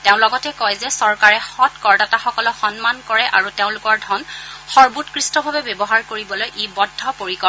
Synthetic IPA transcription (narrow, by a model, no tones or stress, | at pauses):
teʊ̃lɔɡɔtɛkɔjzɛsɔɹkaɹɛxɔtkɔɹdataxɔkɔlɔxɔnmankɔɹɛʔa̰ɹuteʊ̃lʊkɔɹdʱɔnxɔɹbutkɹistɔbʱabɛbebɔɦaɹkoɹibɔlojʔebɔdʱːɔpoɹikɔ